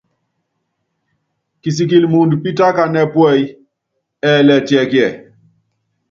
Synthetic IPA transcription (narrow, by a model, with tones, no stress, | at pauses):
ki˨s̬i˨ki˨lmu˨ndpi˦ta˦ka˨nɛ˦pwɛ˦˨j | ɛ˨lɛ˨tjɛ˨kjɛ˨